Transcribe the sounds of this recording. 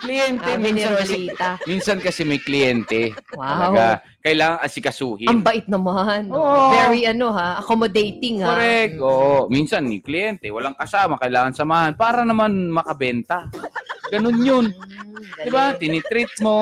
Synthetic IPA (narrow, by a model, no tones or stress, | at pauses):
klɪjɛnt̪ɛminsɐnkɐsɛit̪aminsɐnkɐsɛmɐjklɪjɛnt̪ɛwaɪwba | kɐʔɪlaːŋɐŋʔɐsɪkɐsuːhɪɐmbɐʔɪt̪̚nɐmanoːʔovɛɾiʔɐnohaʔɐkomod̪ejt̪ɪŋoɾɛk̚t̪ʔoːʔominsɐnmɪklɪjɛnt̪ɛwɐlaŋkɐsaːmɐkɐʔɪlaːŋɐnsɐmaːhɐnpaːɾɐnɐmanmɐkɐbɛnt̪ɐɡɐnonjond̪ɪbat̪ɪnɪt̪ɾɪt̪̚mo